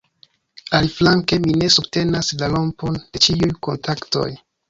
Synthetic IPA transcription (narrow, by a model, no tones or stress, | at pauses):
aliflaŋke̞mine̞sub̚te̞naslalo̞mpo̞nde̞t͡ʃiujko̞ntʰakto̞̰j